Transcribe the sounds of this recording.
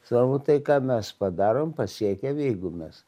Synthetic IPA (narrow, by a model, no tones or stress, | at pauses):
sɑkɐʊt̪ɐɪkɑːmʲɛspɐd̪ɑːɾoːmpɐsʲiɛkʲɛmjɛɪɡʊmʲɛs